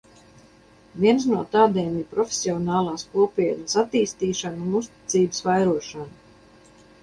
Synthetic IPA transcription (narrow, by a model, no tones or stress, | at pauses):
vʲiɛnsnuɔt̪aːd̪eːmiɾpɾɔfʲe̥sʲiɔnɑːlˠɑːskuɔpiɛnəsat̪iːst̪iːʃanunust̪i̥t̪siːbəsvajɾuɔʃanu